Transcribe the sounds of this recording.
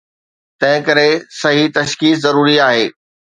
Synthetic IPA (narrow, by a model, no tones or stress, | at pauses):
t̪ɐ̃ɦɪ̃kɐɾesɐɦit̪ɐʃkiːszɐɾuːɾiaːɦeː